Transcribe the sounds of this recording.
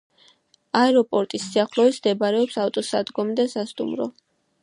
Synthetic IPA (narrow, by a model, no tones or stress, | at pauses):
aɛɾɔpʼɔɾt̪ʼisːiaχlˠɔisd̪ɛbaɾɛɔpsaft̪ʼɔsad̪ɡɔmd̪ɛsast̪ʼṵmɾɔ̰